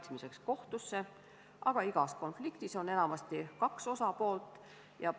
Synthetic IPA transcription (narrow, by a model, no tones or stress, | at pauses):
t̪smise̞ksko̞ht̪usːe̞ | ʔɑ̰ɡ̥ɑiɡ̥ɑsko̞nflikt̪iso̞ne̞nɑmɑst̪ikɑkso̞sɑpo̞ːlt̪ːˑ | jɑ